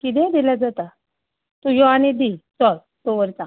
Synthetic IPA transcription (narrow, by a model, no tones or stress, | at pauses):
kid̪ɛ̃d̪ilad͡zat̪a | t̪ujɔañid̪it͡sɔl | t̪oʋəɾt͡sã